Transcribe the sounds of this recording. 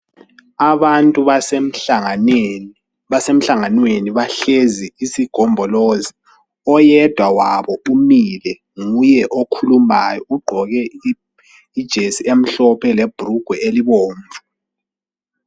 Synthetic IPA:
aβantʼuβas̩ | βasem̩ɬaŋanweniβaɬeziisiɡ̥ʱɔmbʱɔlozi | ɔjɛd̥ʱwawaβɔumilɛ | ŋujɛʔokʰuluma̰jɔuɡ͡ǃʱɔɣɛi | id̥ʒ̥ʱesiem̩ɬɔpʰɛleb̥ʱuruɡ̥ʱwɛeliβoːɱvʱu

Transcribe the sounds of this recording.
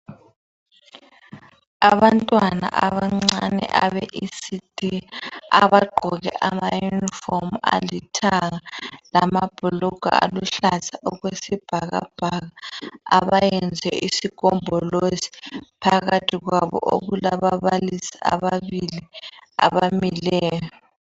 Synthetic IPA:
aβantʼwana̰ʔaβaŋ͡ǀanɛ̰ʔaβɛʔisid̥ʱiaaβaɡ͡ǃʱɔɣɛ̰ʔamajunifɔma̰litʰaɣalamab̥ʱulɔɡ̥ʱa̰a̰luɬatʰaɔɣwesib̥ʱaɣa̰b̥ʱaɣaaβajɛnd͡zʱɛisikʼɔmbʱɔlosi̥pʰaɣatʰiɣwaβɔ̰ʔo̰ɣulaβaβalisi̥a̰βaβilia̰βamilɛːjɔ

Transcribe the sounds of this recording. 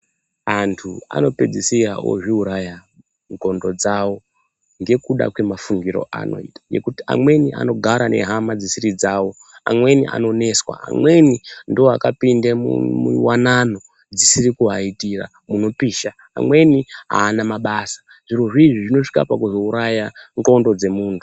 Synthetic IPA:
antʰua̰no̞pe̞d͡zisira̰o̰ʐiuɾaja | ŋɡʱo̞ndo̞d͡zawo̞ | ŋɡe̞kuɗa̰kwe̞mafuŋɡiɾo̞̰ʔa̰no̞̰ḭːtḁje̞̰kutia̰mwe̞niʔa̰no̞ɡʱaɾane̞̰ɦamad͡zisiɾid͡zaːwo̞ | a̰mwe̞niʔa̰no̞ne̞swa̰a̰mwe̞nindoakapindemṵmuwanano̞ | d͡zisiɾikuɦaitira̰ | muno̞piːʃa̰ːmwe̞niɦa̰ːnamaɓasḁ | ʐiroʐiːʐiʐino̞ʂi̥kapakuzo̞uɾajaŋɡo̞ndo̞d͡ze̞muːntʰu

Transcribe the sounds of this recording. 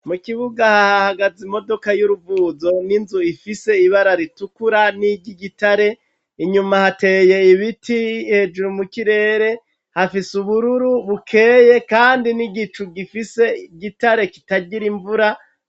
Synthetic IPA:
mukiβuɡahahahaɡazimo̞do̞kajuɾuvuːzo̞ninzuifise̞iβaɾaɾitukuɾaniɟiɡitaɾe̞ | iɲumahate̞ːje̞iβitihe̞d͡ʒuɾumukiɾe̞ːɾe̞ | hafisuβuɾuɾuβukʰe̞ːje̞kaːndiniɡit͡ʃuɡifise̞iɟitaɾe̞ki̥taɟiɾiɱvuɾa

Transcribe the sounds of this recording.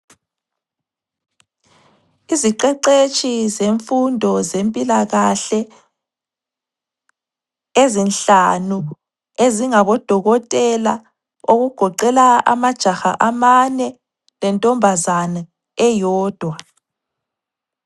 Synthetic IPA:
iziǃɛǃet͡ʃʼizeɱfundʱɔzempʼilaɣaɬɛ | ezinɬanu | eziŋaβɔd̥ʱɔɣɔtʼɛla | oɣuɡ̥ʱɔǃɛlaa̰mad̥ʒ̥ʱaxa̰ʔamanɛ | lɛntʼɔmbʱazana | ɛjɔːd̥ʱwa

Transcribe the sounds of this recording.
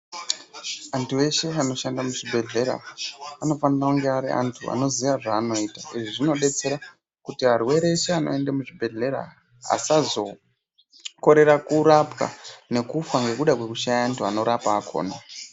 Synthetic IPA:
antʰuwe̞ʃe̞ano̞ʃandamuʐibʱe̞ɮe̞ɾa̰ano̞fanirauŋɡeaɾiʔa̰ntʰua̰no̞ziʋaʐaːno̞iːtaiʐiʐino̞ɗe̞t͡se̞ɾa | kutiɦarwe̞ɾe̞ʃeano̞̰e̞ndemuʐibʱe̞ɮe̞ɾa̰ | a̰sazo̞ | ko̞ɾe̞ɾakuɾapka̰ne̞kufaŋɡe̞kuɗakwe̞kuʃajaːntʰuano̞ɾapaːkʰo̞̰ːna

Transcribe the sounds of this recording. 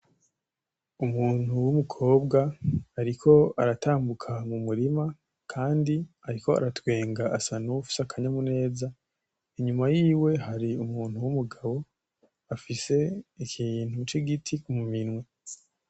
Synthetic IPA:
umuːn̥huwumukʰo̞ːbɡaːɾikʰo̞aɾataːmbukʰamumuɾima | kʰaːndi | aɾiko̞a̰ɾatwe̞ːŋɡaʔasanuufi̥sakʰaɲamune̞ːza | iɲumajiːwe̞haɾiumuːnhuwumuɡaβo̞ | afise̞icijːn̥hut͡ʃiɡitʰikumuminwe

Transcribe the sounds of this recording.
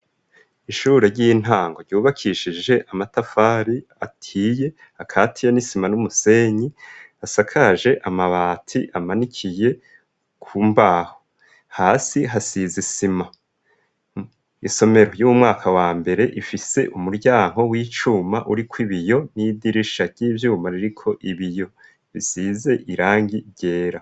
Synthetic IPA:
iʃuːɾeɾɟiːn̥aːŋɡo̞ɾɟuːβakʰiʃiʒe̞ʔamatafaːɾi | atʰiːje̞ | akʰatʰijanisimanumuse̞ɲi | asakʰaʒe̞ʔamaβaːtʰiʔamanikʰije̞ | kʰumbaho | haːsiɦasizisima | iso̞me̞ɾo̞jumŋaːkʰawaːmbe̞ɾe̞ʔifise̞̰ʔumuɾɟaːŋ̥o̞wiːt͡ʃumaʔuɾikʰwiβijo̞nidiɾiʃḁɟ̥iːvjuːmaɾiɾikʰo̞ʔiβijo̞ | βisize̞ʔiɾaːŋɡiɾɟe̞ːɾa

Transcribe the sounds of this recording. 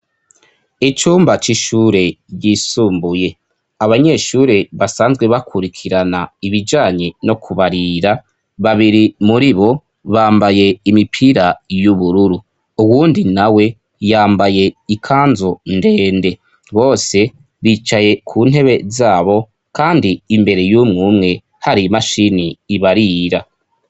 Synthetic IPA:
it͡ʃuːmbat͡ʃiʃuːɾe̞ɟiːsuːmbuje | aβaɲe̞ʃuɾe̞βasaːnzɡwe̞βakʰuɾikʰiɾanaiβid͡ʒaːɲeno̞kʰuβaɾiɾa | βaβiɾimuɾiβo̞ | βaːmbaje̞imipʰiɾajuβuɾuɾu | uwuːndinawe̞ | jaːmbaje̞ikʰaːnzo̞nde̞ːnde̞ | βo̞ːse̞ | βit͡ʃaje̞kʰuːn̥he̞βe̞zaːβo̞ | kaːndiːmbe̞ɾe̞juːmŋuːmŋe̞ | haɾimaʃiniːβaɾiːɾa

